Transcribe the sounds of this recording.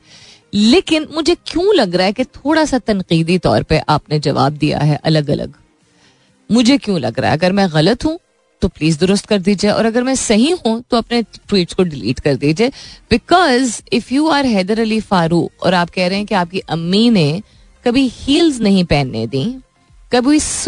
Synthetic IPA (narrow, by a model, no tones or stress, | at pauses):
leːkɪnmʊd͡ʒʱekjũlɐɡɾaɦɛket̪ʰoːɽasat̪ɐ̃nqiːd̪it̪ɔ̰ːɾpɐʔaːpned͡ʒɐʋa̰ːb̚d̪ija̰ɦɛʔɐləɡɐ̰lʔə̰ɡ | mʊd͡ʒʱekjũlɐ̰ɡɾa̰ɦɛ̰ɐɡəɾmɛ̃ɣɐlət̪ɦũ | t̪opliːzd̪ʊɾʊst̪̚kɐɾd̪iːd͡ʒieʔɔ̰ːɾɐɡəɾmɛ̃sɐɦĩɦũt̪oɐpneʈwiːʈskoɖɪlḭːʈkɐɾd̪iːd͡ʒieːb̥ɪkɔːzɪfjuːaːɾɦɛːd̪əɾɐlifaːɾuːqɔ̰ːɾaːp̚kɛɦɾɐɦɛ̃keaːp̚kiʔɐmːine | kɐbʱihiːlznɐɦĩpɛːnːḛd̪ĩː | kɐbʱii